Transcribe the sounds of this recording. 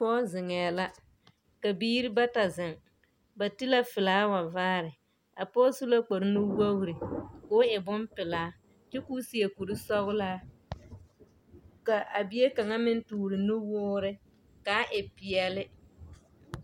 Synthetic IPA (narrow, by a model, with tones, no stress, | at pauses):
pɔː˦zɪ˨ŋɛː˨la˦ | ka˨biː˦ɾi˦ba˦ta˨zɪ˨ŋ | ba˨tɪ˦la˦fɪ˨laː˨˦wa˨vaː˦ɾɪ˨ | a̰˨pɔː˦su˦lo˦k͡po˨ɾɪ˦nʊ˦wo˦ɣɾɪ˨kʊː˦ɪ˨bʊ˦mpɪ˨laː˨˦ | t͡ʃɛ˦kuː˦si˨e˨ku˨ɾi˦sɔ˦ɣʊ˦laː˦ | ka˨ʔa˨bɪ˨je˦ka˨ŋa˦mɪ˦n˦tuː˨ɾɪ˨nʊ˦wʊː˦ɾɪ˦ | kaː˨˦ʔɪ˨pɪ˨ɛ˨lɪ˦